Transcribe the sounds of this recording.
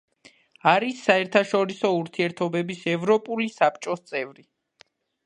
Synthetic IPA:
aɾisːaɛɾt̪ʰaʃɔɾisɔuɾt̪ʰiɛɾt̪ʰɔbɛbisɛvɾɔpʼulisapʰt͡ʃʼɔst̪sʼɛvɾi

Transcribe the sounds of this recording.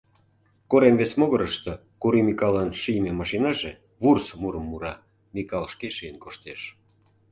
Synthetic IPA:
koɾemβesmoɣəɾəʃt̪o | kuɾimikɑlɑnʃijmemɑʃinɑʒe | βursmuɾəmːuɾɑ | mikɑlʃkeʃijənkoʃt̪eʃ

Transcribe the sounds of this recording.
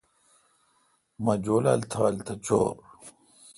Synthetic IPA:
mɐd͡ʑoːla̰lt̪ʰaɐlt̪ʰɐt͡ɕo̰ːɾ

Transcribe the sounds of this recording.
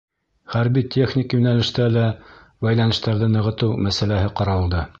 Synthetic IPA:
χæɾbitʲʰeχnʲikjʉnælɘ̆ʃt̪ælæ | bæjlˠɑnɤ̆ʃt̪æɾðɘnɤ̆ʁɤ̆t̪ɤwmæsælæɦɘqɑɾɑlˠd̪ɤ

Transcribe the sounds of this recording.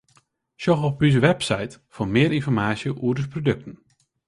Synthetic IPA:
ʃɔχɔpys̬əʋɛpsajtfʊːmɪːəɾɪnfɔrmaːsjəʔuədəsprodɵk̚tən̩

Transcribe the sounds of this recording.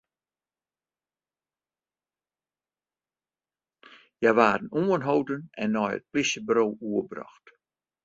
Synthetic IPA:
jajʋaːdənuːənɦowdənɛ̰nːɔjə̰t̚plɪsjəbɾowuəbrɔ̰xt

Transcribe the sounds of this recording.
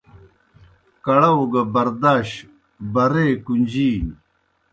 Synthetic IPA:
kɐɽɐuɡɐbɐɾd̪aːɕ | bɐɾeːkund͡ʑiː

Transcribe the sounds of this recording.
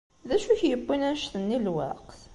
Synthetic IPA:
ðæʃuçjəbːinænʃθənːilwæ̰qθ

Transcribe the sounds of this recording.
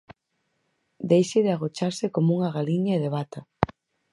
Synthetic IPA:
d̪ejʃɪðɪaɣ̞ot͡ʃaɾsɪkomuŋɐɣaliɲaeðeβat̪ɐ

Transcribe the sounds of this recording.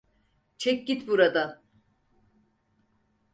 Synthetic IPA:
t͡ʃʰɛk̚ʲɟit̪buɾad̪a

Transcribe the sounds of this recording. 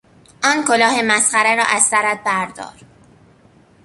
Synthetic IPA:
ʔɒːnkʰolɒːhe̞mæsχæɾeɾɒ̰ːʔæz̥sæɾæt̪̚bæɾd̪ɒ̰ːɾ

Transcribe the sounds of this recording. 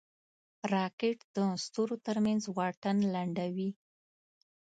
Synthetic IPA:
ɾɑkeʈd̪̥əst̪oɾot̪əɾmanzwɑʈanlaɳɖawi

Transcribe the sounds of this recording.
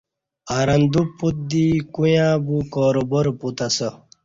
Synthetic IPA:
aɾɐnd̪upːut̪̚d̪ikujãːbukɔːɾoboɾput̪asɐ

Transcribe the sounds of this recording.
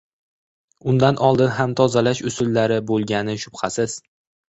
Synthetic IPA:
ʊnd̪anʔɒlˠd̪ɪnɦamt̪ʰɒzalaʃʊsʊlːaɾɪbolˠɡʲanɪʃʊbχɑsɪz̥

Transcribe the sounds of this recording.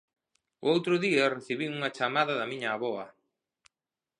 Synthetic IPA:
o̰owt̪ɾʊðiareθiβiuŋɐt͡ʃamaðɐðɐmĩɲaːβɔɐ

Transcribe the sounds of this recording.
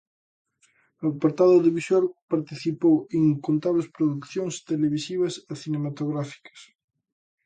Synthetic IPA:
oapaɾt̪aðoðiβisoɾpaɾt̪iθipoweŋkont̪aβlespɾoðukθjoŋst̪eleβisiβ̞ɐseθinemat̪oɣɾafi̥kɐ̥s

